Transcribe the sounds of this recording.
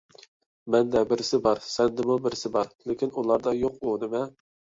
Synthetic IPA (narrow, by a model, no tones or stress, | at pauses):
mɛnd̪ɛbɪɾɪsɪbɑɾsɛnd̪ɪmubɪɾɪsɪbɑɾlɪkʲʰinulˠɑɾd̪ɑjoqunɪmɛ